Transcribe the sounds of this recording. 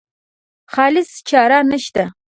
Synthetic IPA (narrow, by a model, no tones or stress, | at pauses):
χaːlɨst͡ʃʰaːɾaːrnɐʃt̪ʰɐ